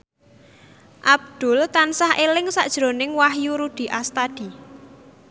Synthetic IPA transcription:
ʔab̚d̪̥ʊ̤lt̪ansahʔelɪŋsa̰ʔd̥ʒ̥ɾo̤nɪŋwahjuɾud̪̥i̤ʔast̪ad̪̥i̤

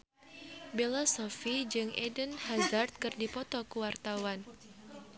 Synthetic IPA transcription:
belasɔfid͡ʒɨŋʔɛdənhazart̪̚kɨrdipɔt̪ɔkuwart̪awan

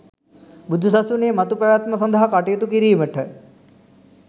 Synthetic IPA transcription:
bud̪ʱːusɐsuneːmɐt̪upɐʋjaːt̪mɐsɐnd̪ʱɐɦɐkaʈejet̪ukiɾiːməʈʰə

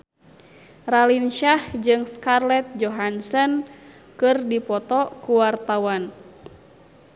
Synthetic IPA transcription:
ralinʃahd͡ʒɨŋskarlɛt̪̚d͡ʒɔɦansɔn | kɨrdipɔt̪ɔkuwart̪awan

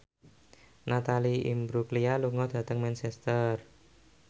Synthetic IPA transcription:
nat̪aliḭmbɾuklialuŋɔd̪̥ä̤t̪əŋmɛnsɛst̪ər

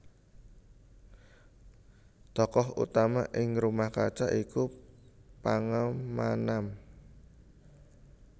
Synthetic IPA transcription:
t̪ɔkɔɦṵt̪ama̰ʔɪŋrumahkat͡ʃaʔiku | paŋamːanam

